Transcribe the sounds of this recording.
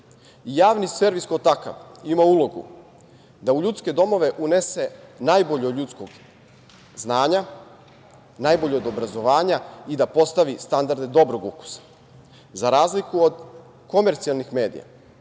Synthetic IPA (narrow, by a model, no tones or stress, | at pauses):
ijaːʋnisʋe̞ɾʋiskot̪aka̰ʋimaulo̞ɡṵ | d̪auʎut̪ske̞d̪o̞mo̞ʋe̞ʔune̞se̞najbo̞ʎoʎut̪skoɡ | znaːɲa | naːjboʎeod̪o̞bɾazo̞ʋaːɲaid̪apo̞st̪aʋist̪and̪aɾd̪ed̪o̞bɾo̞ɡuku̥sḁ | zaɾaːzlikuod̪ | ko̞me̞ɾt̪sialˠnixme̞ːd̪ḭja̰